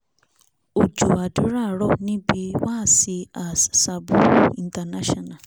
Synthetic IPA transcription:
u˨d͡ʒu˨a˨du˨˦ɾa˦˨ɺɔ˦˨nĩ˦bi˦wa˦si˧a˨ssa˨bu˨˦˨i˨nta˨na˦ʃɔ˨na˨

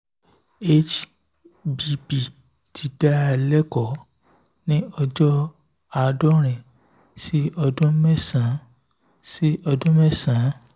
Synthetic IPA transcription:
e˦t͡ʃ | bi˧bi˨ | ti˨d̥a˦a˧lɛ˦kɔ˨ | nĩ˦ɔ˧d͡ʒɔ˦ | a˨˧dɔ˦ɾ̃ɛ̃˨ | si˦ɔ˧dũ˦mɛ˦sã˨˦ | si˦ɔ˧dũ˦mɛ˦sã˨˦

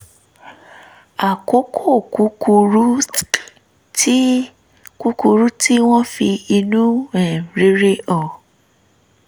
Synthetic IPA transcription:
a˨ko˨˦kʰo˦˨ku˨˦ku˧ɾu˦ | ti˦ | ku˦ku˧ɾu˦ti˦w̃ɔ̃˦fi˧i˧nũ˦ɛ˦˨ɾe˨˦ɾe˦ɔ˦˨

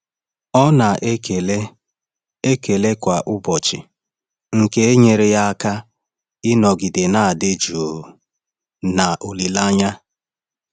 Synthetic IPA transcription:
ɔ˦na˨ʔke˨le˦ | e˦ke˨le˦kʷa˨ʔʊ˦bɔ˨t͡ʃɪ˨ | ŋ̩˨ke˦e˦ɲe˨ɾe˨ja˦ka˦ | ɪ˦nɔ˨ɡi˨de˨na˦˨a˨dɪ˦d͡ʒu˨o˨ | na˨ʔo˨li˨la˦ɲa˦

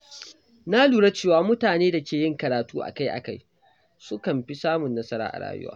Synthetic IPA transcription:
na˦luː˨ɽa˦t͡ʃeː˦˨waː˦mʊ˦taː˨neː˦da˨kʲeː˨jɪ˦˨ŋkɐ˨ɾaː˨tuː˦ʔa̰˨ka˦jʔa̰˨ka˦j | sʊ˦kɐ˨mɸi˦saː˦mʊ˨nːɐ˦sɐ˦ɾa̰ː˦ʔa̰˨ɽa̰ː˦jʊ̰˦wa̰ː˦

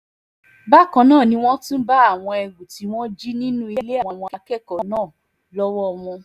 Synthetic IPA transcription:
ba˦kã˨˧nãː˦˨nĩ˧˦w̃ɔ̃˦tũ˦ba˦a˦˨w̃ɔ̃˧ɛ˧ɡu˨ti˨˧˦w̃ɔ̃˦d͡ʒi˦nĩ˦nũ˦i˧˦˧le˦a˨wɔ̃˧wɔ̃˧a˧kɛ˦˨kɔ˨˦nãː˦˨ | lɔ˦wɔ˦˧w̃ɔ̃˧

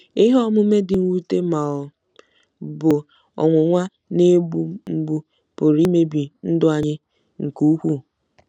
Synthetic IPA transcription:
i˦ɦɔ˦mʊ˦me˦dɪ˨ŋ̩˦u˦te˦ma˨ɔ˨ | bʊ˨ | ɔ̰˨ŋʷʊ˨ŋʷa˦ | ne˦bu˦m̩˦ɡ͡bu˦ | pʊ˨ɾi˦me˦bi˨n̩˦dʊ˦a˨ɲɪ˦ | ŋ̩˨ku˦hu˦

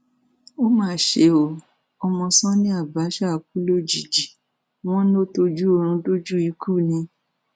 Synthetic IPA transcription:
o˦mãː˦˨ʃe˧˦o˧˨ | ɔ˧mɔ̃˧sɔ̃˦nĩ˦a˦˨ba˨˦ʃa˦˨ku˦lo˦d͡ʒi˨d͡ʒi˨ | w̃ɔ̃˦n˦o˦to˧d͡ʒu˦o˧ɾ̃ũ˧do˦d͡ʒu˦i˨˧˦ku˦˨nĩ˧˦

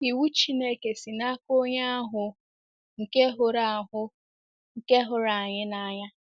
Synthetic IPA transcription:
i˨wu˦t͡ʃi˦ne˦ke˨si˨na˦ko˦ɲa˦a˦ɦʊ˨ | ŋ̩˨ke˦ɦʊ˨ɾa˨ɦʊ˦ | ŋ̩˨ke˦ɦʊ˨ɾa˨a˨ɲɪ˦na˦˨ɲa˦

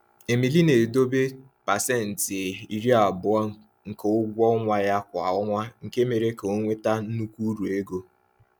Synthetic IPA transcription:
e˨mi˨li˦ne˨do˦be˦ | pa˨sɛ˦˨n̩˨tɪ˨i˨ɾi˦a˨bʊ˨˦ɔ˦ | ŋ̩˨ko˦ʊ˦ɡʷɔ˦ŋʷa˦ja˦kʷa˨ʊ˦ŋʷa˦ŋ̩˨ke˦me˨ɾe˦ko˦ŋʷe˦ta˦n̩˦nu˦kʷu˦ɾu˨e˦ɡo˦

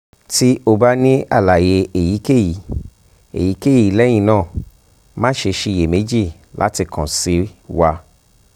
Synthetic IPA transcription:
ti˦o˧ba˦nĩ˦a̰˦˨la˨je˧e˨ji˨˦ke˦˨ji˨˦ | ḛ˨ji˨˦ke˦˨ji˨˦lɛ˦j̃ĩ˦˧˨nãː˦˨ | mã˦ʃe˧ʃi˧˨je˨me˨˦d͡ʒi˦˨ | lʔa̰˦ti˧kʰã˨si˧˦wa˧

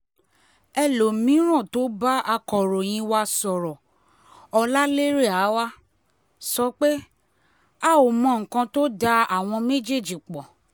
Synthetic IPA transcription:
ɛ˧lo˨mĩ˨˦ɾ̃ã˦˨to˨˦ba˦a˧kɔ˨ɾo˨j̃ĩ˧wa˧sɔ˨ɾɔ˨ | ɔ˧la˦le˦ɾe˦˨a˨˦wa˦ | sɔ˧k͡pe˦ | a˦˨o˨mɔ̃˧˨ŋ̩˨kã˧to˦da˧a˨w̃ɔ̃˧me˦d͡ʒe˦˨d͡ʒi˨k͡pɔ˨

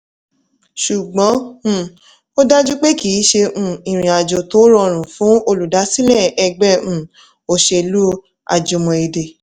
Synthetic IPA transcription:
ʃu˨ɡ͡bɔ̃˨˦˨ | o˦da˦d͡ʒu˦k͡pe˦ki˨˦ʃẽ˧˦˧ĩ˨ɾ̃ĩ˨a˨d͡ʒo˨to˨˦ɾɔ˧˨ɾ̃ũ˨fũ˨˦o˧lu˨da˨˦si˦lɛ˦˨ɛ˧ɡ͡bɛ˦ũ˦˨ | o˧˦ʃe˧lu˦ | a̰˧˨d͡ʒo˧mɔ̃˧e˧˨de˨

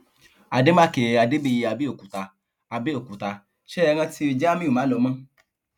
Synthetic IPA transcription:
a˨de˦mã˦ke˨a˨de˦be˧ji˧a˧˨bi˦o˦˨ku˨ta˧ | a˧be˦o˦˨ku˨ta˧ | ʃe˦ɛ˧ŋ̃ã˧ti˧˦o˧d͡ʒa˦mĩ˦u˨mãː˨˦lɔ˧˦mã˦

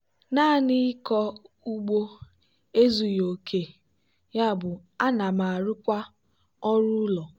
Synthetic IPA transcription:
na˦˨ni˦kɔ˦ | u˦ɡ͡bo˦ | e˦zu˨jo˨kʰe˨ | ja˦˨bʊ˨ | a˦na˨ma˨ɾʊ˦kʷa˦ | ɔ˦ɾʊ˦lɔ˨

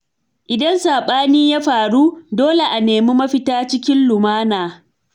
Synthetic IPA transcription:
ʔɪ˨dɐ˦nsaː˨ɓaː˦niː˦jaː˦ɸaː˨ɽu˦doː˦le˨ʔa˨neː˨mu˦mɐ˦ɸɪ˦taː˦t͡ʃɪ˦kʲɪ˦nlʊ˨maː˦naː˨

